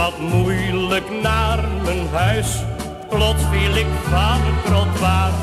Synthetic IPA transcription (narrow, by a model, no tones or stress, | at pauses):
ɑtmujləknaːrmənɦœɥs | klɔtsfilɪkvaːdərkrɔtʋaːr